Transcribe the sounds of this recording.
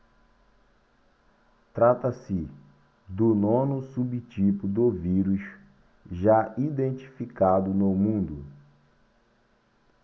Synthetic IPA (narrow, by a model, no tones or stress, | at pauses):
t̪ɾat̪ɐsɪ | d̪ʊnõnʊsubit͡ʃipʊd̪ʊviɾus | ʒaid̪ẽnt͡ʃifikad̪ʊnʊmũd̪ʊ